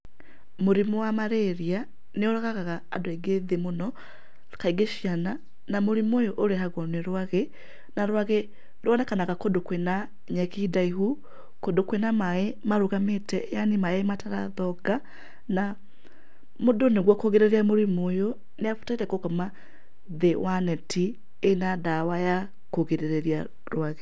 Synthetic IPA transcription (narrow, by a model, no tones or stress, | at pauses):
moɾimowamaɾeɾia | neoɾaɣaɣaɣaːdoeɡeðemonɔ | kaiɡeʃjana | namoɾimojoʔoɾeɦaɣɔneɾwaɣe | naɾwaɣe | doɔnɛkanaɣakodokwena | ɲɛkidaiɦu | kodokwenamaemaɾuɣametɛ̰janimaemataɾa̰ðɔɡa | na | modoneɣwɔkoɣeɾeɾiamoɾimojo | neafu̥taiɾɛkokɔma | ðewanɛti | enadawaja | koɣeɾeɾeɾja | ɾwaɣe